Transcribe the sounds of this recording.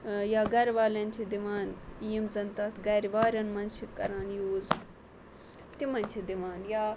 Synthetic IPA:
jaːɡɐɾʋaːlɐnʲt͡ʃʰid̪iʋaːnijimzɐnt̪ɐt̪ʰɡɐɾʋaːɾɐnmɐnt͡ʃʰikɐ̰ɾaːnjoːz | t̪imɐnʲt͡ʃʰid̪iʋaːnjaː

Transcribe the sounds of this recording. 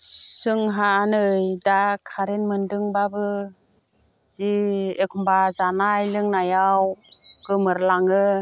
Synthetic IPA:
sɯŋɦaːnɯjdakʰaɾenmɯndɯŋbabɯ | ziekʰumbazanajlɯŋnajawɡ̥ɯmɯɾlaŋɯ

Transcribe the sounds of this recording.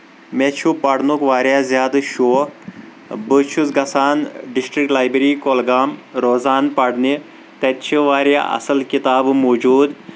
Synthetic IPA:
met͡ʃʰupɐɽnukʋaːɾjazʲjaːd̪ʃoː | bət͡ʃʰut͡sɡɐsaːnɖisʈɾik̚ʈlaːjbeɾiːkoːlɡaːmɾoːzaːnpɐɽni | t̪et̪t͡ʃʰiʋaːɾja̰ʔɐ̰sɐlkit̪aːbmoːd͡ʒuːd̪

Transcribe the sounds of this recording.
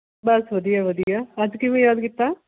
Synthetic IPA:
bəsʋəd̪ijaːʋəd̪ijaːəd͡ʒkimɛ̃jaːd̪kit̪ːaː

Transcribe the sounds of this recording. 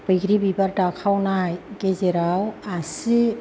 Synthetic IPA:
b̥əɡɾibibaɾdakʰawnajkezeɾawasi

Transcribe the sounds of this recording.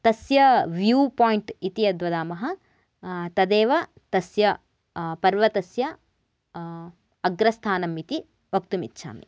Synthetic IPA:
t̪ɐsjɐʋjuːpoːjiɳʈit̪iɐd̪ʋɐd̪aːmɐɦɐ | t̪ɐd̪eːʋɐ | t̪ɐsjɐ | pɐɾʋɐt̪ɐsjɐ | ɐɡɾɐst̪ʰaːnɐmit̪i | bɐp̚t̪umitːʃʰa̰ːmḭ

